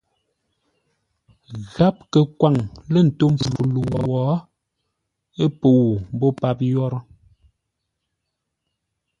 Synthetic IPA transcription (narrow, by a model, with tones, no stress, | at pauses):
ɣa˦p̚kə˨kwa˨ŋlə˦˨n̩˨to˦m̩˨fu˨lu˨wɔ˨wɔ˨˦ | e˦po˨wu˨m̩˨bɔ˦pa˦p̚jɔ˦ɾɔ˦